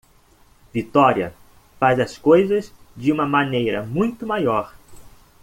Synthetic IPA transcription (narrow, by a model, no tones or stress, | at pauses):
vit̪ɔɾiɐ̰ | fazɐskojzɐzd͡ʒɪũmɐmãnejɾɐmũj̃t̪ʊmajɔɾ